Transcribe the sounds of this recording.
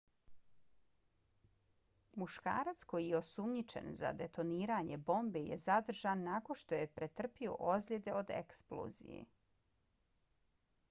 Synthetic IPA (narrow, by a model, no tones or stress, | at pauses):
muʃka̰ːɾat̪sko̞jijeo̞sumɲit͡ʃe̞̰nza̰d̪e̞t̪o̞niːɾaɲe̞bo̞mbejḛzad̪r̩ʒanːako̞nʃt̪o̞je̞pɾe̞t̪r̩pio̞̰ʔozʎʲed̪e̞o̞d̪ḛksplˠo̰zḭjḛ